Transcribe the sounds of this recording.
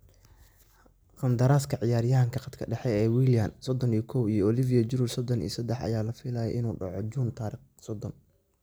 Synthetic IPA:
qɑnd̪ɐɾaːskʰɐʕɪjaːɾjaŋkʰɐqɑd̪kʰɐɖɛħɛɛːwiːljansɔd̪ɔnijkʰɔwijɔɔlivɪjɐd͡ʒʊɾulsɔd̪ɔnḭːsɐd̪ɛħɐ̰jaːlɐfɪlaːjɛ̰ʔɪnuːɖɑʕɔd͡ʒunt̪ʰaːɾiːχ | sɔd̪ɔn

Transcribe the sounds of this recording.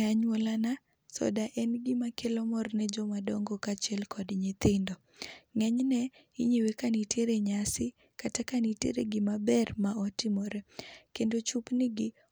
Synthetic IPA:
aɲwɔlana | sɔ̰daʔɛnɡɪmakelɔmɔrnɛd͡ʒɔmadɔŋɡɔkat͡ʃiɛlkɔdɲɪt̪ɪndɔ | ŋɛɲnɛ | ḭɲewekanitʰeɾeɲasɪ | katakanitḛɾḛɡɪmabɛrmaɔtɪmɔɾekendot͡ʃupnɪɡɪ

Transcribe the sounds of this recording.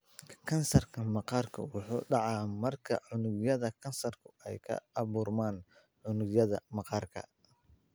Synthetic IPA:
kʰɐnsɐrkʰɐmɑqɑːrkʰɐ̰wʊħṵːɖɑʕɑːmɐrkʰɐʕʊnʊɡjɐðɐkʰɐnsɐrkʰʊɛjkʰɐ̰ɑβuːrmaːn | ʕʊnʊɣjɐðɐmɑqɑːrkʰɐ̰

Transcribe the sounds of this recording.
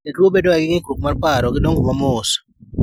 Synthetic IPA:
nɛtwobedɔɛɡɪŋɪkuk̚marpaɾɔɡɪdoŋɡʊmamʊs

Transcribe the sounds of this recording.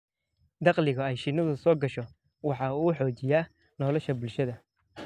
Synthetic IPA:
d̪ɑqlɪɣɐɛjʃɪnɐðʊsɔːɡɐʃɔ | wɑħɑːuːħɔːt͡ʃɪjaː | nɔːlɔʃɐbʊlʃɐðɐ

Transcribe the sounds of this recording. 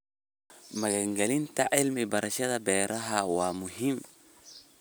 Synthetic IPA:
mɐɣɐŋɡɐlɪnt̪ʰɐʕɪlmɪbɐɾʔɐʃɐðɐbɛːɾʔɐɦɐwaːmʊɦɪm

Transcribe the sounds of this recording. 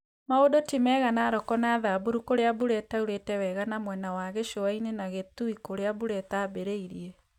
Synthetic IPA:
maodotimɛɣanaːɾɔkɔnaðaboɾukoɾeabuɾɛtauɾetɛwɛɣanamwɛnawaɣeʃoainenaɣetuikoɾeabuɾɛtabeɾeiɾiɛ

